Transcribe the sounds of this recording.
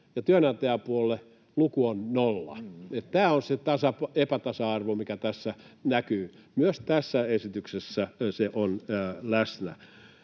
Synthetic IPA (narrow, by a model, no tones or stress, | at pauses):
jɑt̪yønɑnt̪eæpuolːˑe | lukuonnolːɑ̰et̪t̪æːonset̪ɑsɑpepæt̪ɑsɑɑrʋomikæt̪æsːænækyːmyøst̪æsːæesit̪yksesːæseʔonːlæsnæ̰